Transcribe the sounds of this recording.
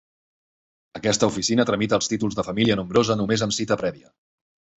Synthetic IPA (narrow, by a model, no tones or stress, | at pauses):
əkɛst̪əufisinət̪ɾəmit̪əːlˠst̪it̪ulˠzðəfəmiliənumbɾozənumezəmsit̪əpɾɛβiə